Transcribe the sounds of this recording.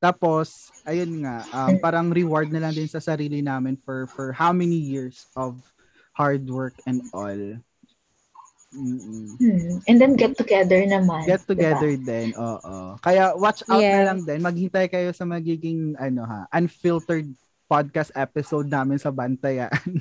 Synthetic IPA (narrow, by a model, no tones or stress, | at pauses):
t̪aːposʔɐjonŋaʔɐmpaːɾɐŋɾɪwaɹd̪̚nɐlɐŋd̪ɪnsɐsɐɾiːlɪnaːmɪnfɔɹfɔɹhawmɛnijiɹsʔɔv | haɹd̪wɜɹkɛ̃nd̪ʔo̰l | m̩ːʔɛnd̪ɛnɡɛt̪ːʊɡɛðəɹnɐmãnɡɛt̪ːʊɡɛd̪ɛɹd̪ɛnʔoːʔo̰kɐjawat͡ʃʔaw̪nɐlɐŋd̪ɛnmɐɡ̚hɪnt̪ajkɐjo̞sɐmɐɡiːɡɪŋʔɐnoɦa̰ʔɐnfilt̪ɛɹd̪̚ | pad̪̚kast̪ʔɛpɪsowd̪̚naːmɪnsɐbɐnt̪ɐjaʔn